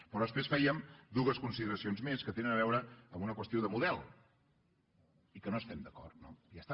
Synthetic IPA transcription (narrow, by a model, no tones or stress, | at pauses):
pəɾɔðəspɾesfɛjəmd̪uɣəskunsiðəɾəsionzmeskət̪enənəβ̞ɛwɾəəmbunəkwəst̪iowðəmuðɛlˠ | ikənoəst̪ɛmd̪əkɔ̰rt̪nojast̪a